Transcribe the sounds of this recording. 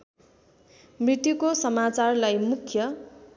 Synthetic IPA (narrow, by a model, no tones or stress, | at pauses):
mrit̪jukosʌmat͡sarlajmukʰjʌ